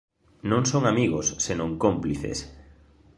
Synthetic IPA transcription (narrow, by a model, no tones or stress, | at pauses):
nõŋsoŋamiɣosːenõŋkompliθḛs